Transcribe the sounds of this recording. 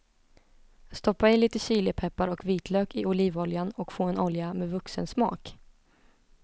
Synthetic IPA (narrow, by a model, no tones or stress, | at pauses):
st̪ɔpːaɪliːt̪əɕiːləpʰɛpːaɾɔkviːt̪ʰløːkɪʊliːvɔljanɔkfoːɛnɔljamɛvɵksənsmɑ̰ːk